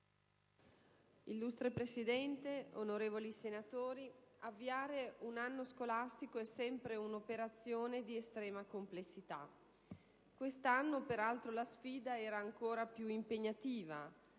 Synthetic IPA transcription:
ilːust̪ɾepɾesid̪ɛnt̪eonoɾeːvolisenat̪oːɾiavːiaːɾeunanːoskolast̪ikoɛsːɛmpɾeunopeɾat̪sːjoːned̪iest̪ɾɛːmakomplesːit̪a̰ | kwest̪anːopeɾalt̪ɾolasfiːd̪aɛːɾaːŋkoːɾapjuimpeɲːat̪iːva

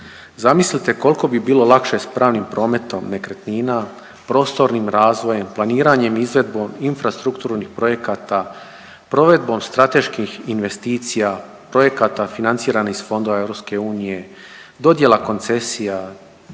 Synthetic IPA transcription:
zamislit̪e̞ko̞lˠko̞bibiːlo̞lˠakʃe̞spɾaːʋnimpɾo̞ːme̞t̪o̞mne̞kɾet̪niːna | pɾo̞ːst̪o̞ɾnimɾaːzʋo̞je̞mplˠaniːɾaɲe̞mizʋe̞d̪bominfɾast̪ɾukt̪uːɾnixpɾo̞je̞kat̪a | pɾo̞ʋe̞d̪̚bo̞mst̪ɾat̪e̞ʃkixinʋe̞st̪iːt̪sija | pɾo̞je̞kat̪afinant̪siːɾanixsfo̞nd̪o̞ʋaeʋɾo̞pske̞uːnije̞ | d̪o̞d̪je̞lako̞nt̪se̞sija

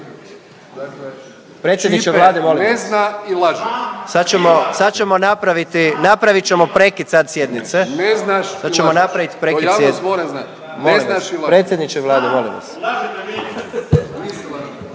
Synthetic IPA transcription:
pɾet̪sjed̪nit͡ʃeʋlˠaːd̪emolieznailaʒesad̪t͡ʃemosad̪t͡ʃemo̞napɾaʋit̪inapɾaʋit͡ʃemo̞pɾekid̪sad̪sjed̪nit̪seneznaʃad̪t͡ʃemonapɾaʋit̪i̥pɾeijaːemoɾamznat̪ | nmoolzinaʃilapɾet̪sjed̪nit͡ʃeʋlaːd̪emolḭmʋa̰s

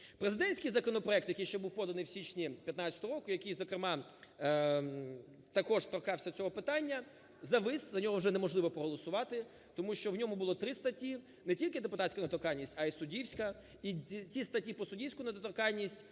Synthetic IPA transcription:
pɾezɪd̪ɛnʲsʲkɪjzɐkɔnɔpɾɔɛk̚t̪jɐkijʃt͡ʃɛbuwpɔd̪ɐnɪjwsʲit͡ʃnʲipʲjɐt̪nat͡sʲɐt̪ɔɦɔɾɔkʊjɐkijzɔkɾɪmɑ | t̪ɐkɔʂt̪ɔrkɑwsʲɐt͡sʲɔɦɔpɪt̪ɑnʲːɐ | zɐʋɪszɐnʲɔɦɔwʒɛnɛmɔʒlˠɪʋɔpɾɔɦɔlˠɔsʊʋɑt̪ɪ | t̪ɔmuʃt͡ʃɔwnʲɔmʊbʊlˠɔt̪ɾɪst̪ɐtʲi | nɛtʲilʲkɪd̪epʊt̪ɑtʲsʲkɐnɐt̪ɔkɑjʲnʲisʲtʲɐisʊdʲiwsʲkɐ | it͡sʲist̪ɐtʲipɔsʊdʲiwsʲkʊnɐd̪t̪ɔkɑlʲnʲisʲtʲ

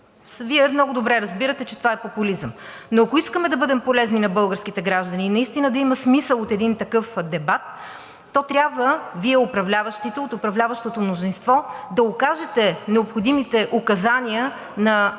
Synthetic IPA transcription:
sviɛmnɔɡʊd̪obɾɛɾɐzbiɾət̪ɛt͡ʃɛt̪ovaɛpopʊlizəm | noɐkoiskəmɛd̪ɐbɤd̪ɛmpolɛzninɐbɤlˠɡəɾsk̟it̪ɛɡɾaʒd̪ɐniːnɐist̪inəd̪ɐimɐsmisəlˠot̪ɛd̪int̪ɐkɤfd̪ɛbat̪ː | ɔt̪ɾʲabvəviɛopɾɐvlʲavəʃt̪it̪ɛot̪opɾɐvlʲavəʃt̪ot̪omnozinst̪vɔd̪ɐokaʒɛt̪ɛnɛopxod̪imit̪ɛʔokɐzaniə | nɐ

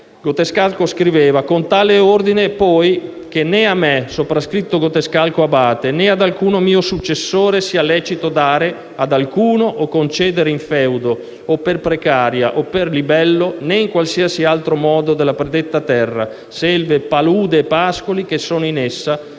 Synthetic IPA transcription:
ɡot̪eskalkoskɾiveːvakont̪aːleord̪inepɔj | k̟eneamːɛsopɾaskɾit̪ːoɡot̪eskalkoabaːt̪enead̪alkuːnomiːosut͡ʃːesːoːɾesiːalɛːt͡ʃit̪od̪aːɾe | ad̪alkuːnoʔːkːont͡ʃɛːd̪eɾeiɱfɛwd̪o | opːerpɾekaːɾja̰ʔopːerlibɛlːoneiŋkwalsiasialt̪ɾomɔːd̪od̪elːapɾed̪et̪ːat̪ɛrːa̰ | sɛlvepaluːd̪eːpːaskolikesːoːnoinesːa

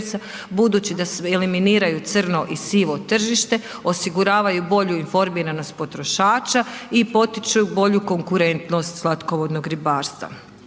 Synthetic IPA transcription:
sa | bud̪uːt͡ʃid̪aseliminiːɾajut̪sr̩no̞ʔisiʋo̞t̪r̩ʒiʃt̪e̞ | o̞siɡuɾaːʋajubo̞ʎuinfo̞ɾmiːɾano̞st̪̚po̞t̪ɾo̞ʃaːt͡ʃaipo̞t̪it͡ʃujubo̞ʎuko̞ŋkuɾe̞nt̪no̞st̪z̥lˠat̪ko̞ʋo̞d̪noɡɾibaːɾst̪ʋa̰

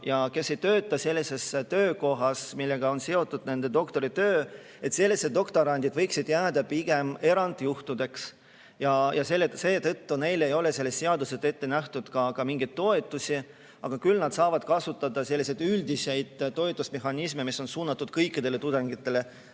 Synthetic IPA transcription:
jɑke̞sːe̞jt̪ø̞ːt̪ːˑɑse̞lʲːise̞st̪ø̞ːko̞ɦɑsmilːe̞ɡ̥ɑo̞nseo̞t̪ˑːud̪̥ne̞nd̪̥e̞d̪̥o̞kt̪o̞ɾit̪øː | e̞t̪se̞lːised̪̚o̞kt̪o̞ɾɑnʲd̪̥id̪̥vɤjksid̪̥jæːd̪ɑpiɡ̥e̞me̞ɾɑnd̪̥juht̪ud̪e̞ks | jɑjɑse̞lːese̞ːt̪ɤt̪ːune̞jle̞jo̞le̞se̞lːest̪ːe̞ɑd̪uset̪ːe̞t̪ːe̞næht̪ud̪̥kɑkɑmiŋɡ̥ijd̪̥̚t̪ːo̞e̞t̪ːˑusʲi | ɑɡ̥ɑkylnɑd̪̥sɑːvɑd̪̥kɑsut̪ːˑɑd̪̥ɑse̞lːised̪yld̪ise̞jd̪̥t̪ːo̞et̪ːˑusme̞ɦɑnismemisːo̞nsuːnːɑt̪ːˑud̪kɤjkːˑid̪̥e̞le̞t̪ud̪eŋɡit̪ːˑe̞le

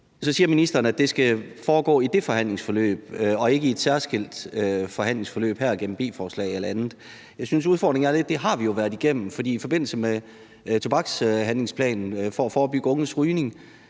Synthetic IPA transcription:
sɒ̽siːɐminisd̥ɐːnæd̥e̝sɡ̥æfɒːɡ̥ɔ̰ːid̥e̝fɒ̽hæn̰le̝ŋsfɒ̽lø̰ːb̥̚ɒ̽e̝ɡ̥əied̥sæɐsɡ̥el̰d̥øfɒ̽ɦæn̰le̝ŋsfɒ̽lø̰ːb̥hæɐɡ̥en̰m̩b̥e̝̰ːfɒːslɛ̰ɪelɐænð̩ˠ | jɑ̈ɪsynsuð̞ˠfɒ̰ːd̥ʁeŋnæɐle̝d̥ːe̝ɦɑ̈ʋijo̝ʋæɐð̩ˠiɡ̥em̰n̩fɒd̥ḭːifɒ̽b̥e̝n̰l̩səme | t͡sʰo̝b̥ɑ̈ɡ̥sɦænle̝ŋspʰlɛ̰ːnn̩fɒ̽æfɒːb̥yɡ̥əɔ̽ŋ̩sʁyːne̝ŋ

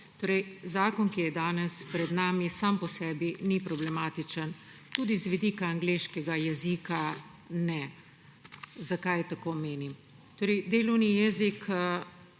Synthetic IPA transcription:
t̪oːɾɛjzaːkɔnkijɛd̪aːnɛspɾɛd̪naːmisampɔsɛːbinipɾɔblɛmaːt̪it͡ʃən | t̪uːd̪izʋid̪iːkaːŋɡleʃkɛɡajɛzika | nɛ | zakajt̪akoːmeːnim | t̪oːɾəjd̪eːlɔwnijɛzikə

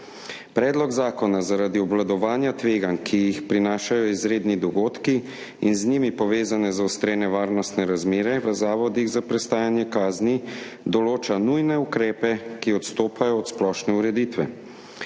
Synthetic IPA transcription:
pɾɛːd̪lɔɡzaːkɔnazaɾaːd̪iɔblad̪ɔʋaːnjat̪ʋeːɡankʰijixpɾinaːʃajɔizɾeːd̪nid̪ɔɡoːt̪ki | inznimipɔʋeːzanɛzaust̪ɾeːnɛʋaːɾnɔst̪nɛɾazmeːɾɛʋəzaːʋɔd̪iɣzapɾɛst̪aːjanjɛkaːzni | d̪ɔloːt͡ʃanujnɛukɾɛːpɛkiɔt̪st̪oːpʰajɔːt̪splɔʃnɛuɾɛd̪iːt̪ʋɛ

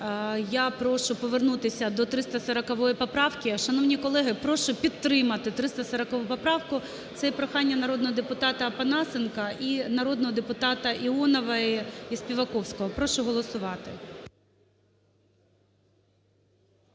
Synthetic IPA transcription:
japɾɔʃʊpɔʋernut̪ɪsʲɐd̪ɔt̪ɾɪst̪ɐsɐɾɐkɐʋɔjipɔpɾɑwkʲɪʃɐnɔwnʲikɔlˠɛɦɪpɾɔʃʊpʲit̪ːɾɪmɐt̪ɪt̪ɾɪst̪ɐsɐɾɐkɐʋupɔpɾɑwkʊ | t̪sɛpɾɔxɑnʲːɐnɐɾɔd̪nɔɦɔd̪epʊt̪ɑt̪ɐpɐnɑsɪnkɐʔinɐɾɔd̪nɔɦɔd̪epʊt̪ɑt̪ɐʔiɔnɔʋɐispʲiʋɐkɔwsʲkɔɦɔpɾɔʃʊɦɔlˠɔsʊʋɑt̪ɪ

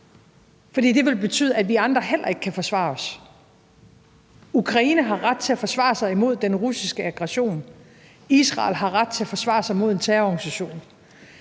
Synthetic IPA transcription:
fɒd̥ḭːd̥e̝ʋe̝lb̥e̝t͡sʰy̰ːð̞ˠædʋiɑ̈nd̥ʁɐɦel̰ɐe̝ɡ̥əkʰæfɒ̽sʋɑ̰̈ːɒ̽s | ukʰʁɑ̈iːnəɦɑ̈ʁad̥̚t͡sʰe̝æfɒ̽sʋɑ̰̈ːsɑ̈ɪimo̝ð̞̰ˠd̥enʁusisɡ̥əɑ̈ɡ̥ʁɛɕo̝̰ːn | isʁɑ̰̈lɦɑ̈ʁad̥̚t͡sʰe̝æfɒ̽sʋɑ̰̈ːsɑ̈ɪmo̝ð̞̰ˠe̝nt͡sʰæːɐɒɡ̥nisæɕo̝̰ːn

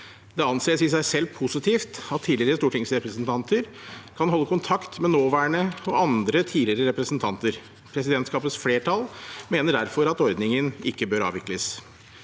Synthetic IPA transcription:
d̪ɛɑnseːsɪsæɪsɛlːpʰʊsɪt̪ʰiːft̪ɑt̪ʰːiːlɪɾəst̪uːʈɪŋsɾɛpɾəsnt̪ʰɑnt̪ʰəɾkʰɑnɦɔlːəkʊnt̪ʰɑkt̪mɛnoːʋæːɳəɔɑnd̪ɾət̪ʰiːd̪lɪɾəɾɛpɾəsənt̪ʰɑnt̪əɾ | pʰɾɛsɪd̪ɛnt̪skɑːpət̪sfleːʈʰɑlmeːnəɖæɾfɔɾɑt̪ɔɾd̪nɪŋənɪkːəbøːɾɑ̰ːʋɪkləs

